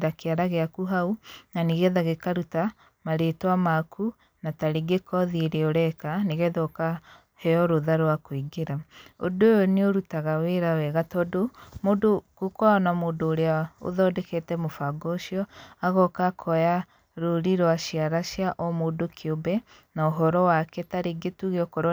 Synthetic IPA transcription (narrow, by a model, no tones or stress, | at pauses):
ɾakeaɾaɣeakuɦaunaneɣɛðaɣekaɾuta | maɾetwamakʰu | nataɾiɡekɔðiɾeoɾɛkaneɣɛðɔka | hɛɔɾoðaɾwakwiɡeɾao̰dojɔneoɾutaɣaweɾawɛɣatɔdomodokokɔaɔnamoːdoːɾeao̰ðɔdɛketɛmofaɡɔʃiɔaɣɔkakʰɔja | ɾoɾiɾwaʃiaɾaʃjaʔɔmodokʰeobɛ | naoɦɔɾɔwakɛtaɾeɡetuɣeɔkɔɾ